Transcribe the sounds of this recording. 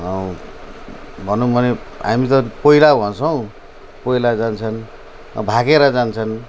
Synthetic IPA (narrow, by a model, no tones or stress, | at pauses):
ʌ | bʱʌnubʱʌneɦa̰mit̪ʌpʌilabʱʌnt͡sʰʌw̃ | pʌilad͡zant͡sʰʌn | ʌ̰bʱakeɾʌd͡zant͡sʰʌn